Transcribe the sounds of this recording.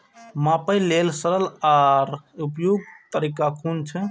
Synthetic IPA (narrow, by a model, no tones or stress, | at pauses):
mãpəjlelsəɾəlaɾupjoɡ̚t̪əɾiːkakʰunt͡ʃʰɛ